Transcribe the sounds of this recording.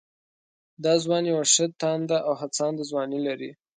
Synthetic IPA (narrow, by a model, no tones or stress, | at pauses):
d̪ɑzwɑnjawaʂət̪ɑnd̪aʔawɦat͡sɑnd̪azwɑnilaɾḭ